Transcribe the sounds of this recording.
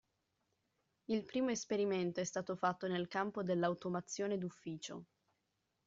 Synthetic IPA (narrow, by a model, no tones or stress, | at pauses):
ilpɾiːmoespeɾiment̪oɛst̪aːt̪ofat̪ːonelkampod̪elːawt̪omat̪sːjoːned̪ufːiːt͡ʃo̰